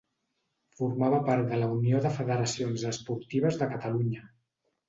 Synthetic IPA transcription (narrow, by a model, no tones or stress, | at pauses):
fuɾmaβəpaɾt̪̚d̪ələunioðəfəðəɾəsionzəspuɾt̪iβ̞əzðəkət̪əluɲə